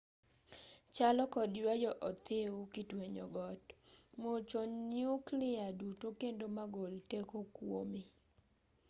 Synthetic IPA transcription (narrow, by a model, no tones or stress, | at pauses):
t͡ʃalɔkɔdjwajɔʔɔt̪ɪukɪtweɲɔ̰ɡɔtmot͡ʃɔnjuklɪadutokendomaɡoltekokwo̰mi